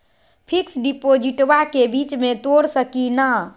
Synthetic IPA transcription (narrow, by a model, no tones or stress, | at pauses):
pʰiksɖipod͡ʒiʈʋakebit͡ʃmet̪oɽsəkina